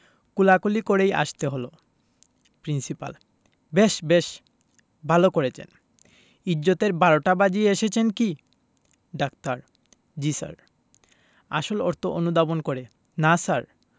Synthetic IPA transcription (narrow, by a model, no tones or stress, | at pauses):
kulakolikoɾeja̰ʃt̪eɦolo | pɾinsipa̰l | beʃbeʃ | bʱalokoɾet͡ɕʰḛn | id͡ʑːot̪eɾbaɾoʈabad͡ʑieʃet͡ɕʰenki | ɖakt̪aɾ | d͡ʑisa̰ɾ | a̰ʃolɔɾt̪ʰoʔonud̪abonkoɾe | nasaɾ